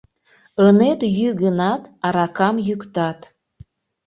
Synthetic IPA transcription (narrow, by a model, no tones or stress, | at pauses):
ənet̪jyɣənɑt̪ɑɾɑkɑmjykt̪ɑt̪